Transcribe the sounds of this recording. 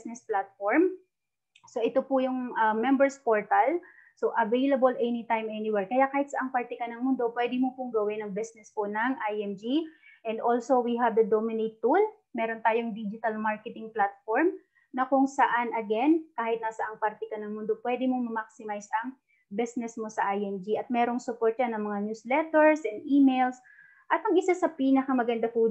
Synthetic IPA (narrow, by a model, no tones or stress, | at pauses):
snɛsplat̪̚foɹm | so̞ʔɪt̪opʊjʊŋɐmːɛmbɛɹspoɹt̪ɐl | soʔɐvejlɐbolʔɛnɪt̪ajmɛnɪwɛɹkɐjakaːhɪt̪sɐʔɐŋpaɾt̪ɛkɐnɐŋmʊnd̪o̞pwɛd̪ɪmopʊŋɡɐwɪnɐŋbɪsnɛsponɐŋʔajɛmd͡ʒi | ʔɛnd̪ʔo̞lsowiɦɐvd̪ɐd̪omɪnejt̪ːul | mɛːɾo̞nt̪aːjoŋd̪id͡ʒɪt̪ɐlmaɹkɛt̪ɪŋplat̪̚foɹm | nɐkʊŋsɐʔanʔɐɡɛnkaːhɪt̪nasɐʔɐŋpɐɾt̪ɛkɐnɐŋmʊnd̪o̞pwɛd̪ɪmoŋmɐmak̚sɪmajsʔɐŋ | bɛsnɛsmo̞sɐʔajɛmd͡ʒiʔɐt̪̚mɛːɾo̞ŋsʊpoɹt̪̚t͡ʃanɐŋmɐŋanjuslɛt̪ɛɹsʔɛnd̪ʔimejls | ʔɐt̪ɐŋɪsasɐpiːnɐkɐmɐɡɐnd̪ɐfu